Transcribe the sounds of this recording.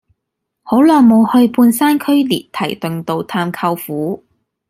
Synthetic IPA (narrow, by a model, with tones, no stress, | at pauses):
ho˨˥wlɔː˨˩ŋmo˨˧whɵ˧ɥpuː˧nsaː˥nkʰɵ˥ɥliː˨t̚t̪ʰɐ̰˨˩jt̪ɵ˨ŋt̪o˧wt̪ʰaː˧mkʰɐ˧wfuː˨˥